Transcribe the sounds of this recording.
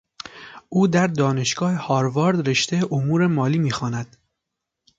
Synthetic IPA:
ʔuːd̪æɾd̪ɒːne̞ʃɡ̥ɒːhehɒːɾvɒːɾd̪ɾeʃt̪eʔomuːɾe̞mɒːliːmiːxɒːnæd̪̥

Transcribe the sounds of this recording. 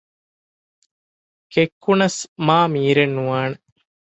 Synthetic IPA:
kekːunɐsmaːmiːɾenːuʋaːne

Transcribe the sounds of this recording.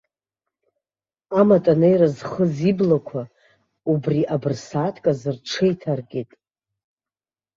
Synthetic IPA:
amatʼanejɾazχəziblakʷʰa | ubriʔabɨrsaːtʰkʼazɨrʈ͡ʂʰejtʰarɡʲetʼ

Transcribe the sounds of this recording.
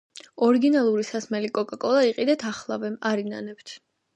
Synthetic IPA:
ɔɾiɡinalˠuɾisasmɛlikʼɔkʼakʼɔlˠaiqʼid̪ɛt̪ʰaχlˠavɛaɾina̰nɛpt̪ʰ

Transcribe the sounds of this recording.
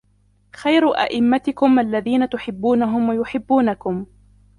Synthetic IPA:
xajɾʊʔa̰ʔɪmːat̪ɪkʊmʔalːaðiːnat̪ʊħɪbːuːnaɦʊmwajʊħɪbːuːnakʊm

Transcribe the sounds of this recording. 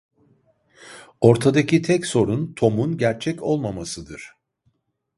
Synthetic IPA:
o̞ɾt̪ʰad̪acit̪ʰɛcso̞ɾunt̪ʰo̞munɟæɾt͡ʃʰɛco̞lˠmamasɯd̪ɯɾ̥

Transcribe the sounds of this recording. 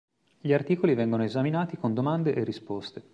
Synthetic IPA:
ʎiart̪iːkolivɛŋɡonoezaminaːt̪ikond̪omand̪eʔerːispost̪e

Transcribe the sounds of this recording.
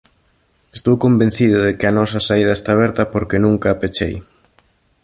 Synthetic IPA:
est̪owkombẽn̟θið̞ʊðekɪɐnɔsɐsaiðɐest̪aːβ̞ɛɾt̪ɐpoɾkenũŋkaːpet͡ʃḛj

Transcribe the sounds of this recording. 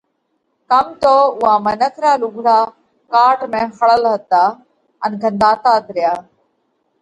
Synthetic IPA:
kəmt̪oːʊɦaːmənəkʰɾaːluɡʱɽaː | kaːʈmẽːxəɭəlɦət̪aː | ənɡʱə̃nd̪aːt̪aːd̪ʱɾɪjaː

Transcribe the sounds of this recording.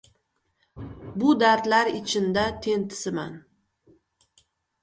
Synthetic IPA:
bʊd̪aɾt̪laɾɪt͡ʃʰɪnd̪at̪ʰe̞nt̪ʰɪ̥sɪma̰n

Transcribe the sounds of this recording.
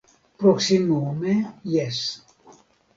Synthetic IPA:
pɾoksimoumejes

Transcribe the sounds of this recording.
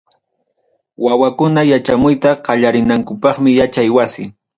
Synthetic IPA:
wawakʊnajat͡ʃamʊjt̪aqɑʎaɾɪnaŋkʊpɑχmɪjat͡ʃajwasɪ

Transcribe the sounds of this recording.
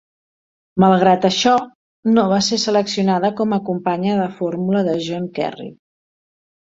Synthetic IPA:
məlˠɣ̞ɾat̪əʃɔ | noβasesələksiunaðəkɔməkumpaɲəðəfoɾmuləðəʒɔŋkɛ̰rḭ

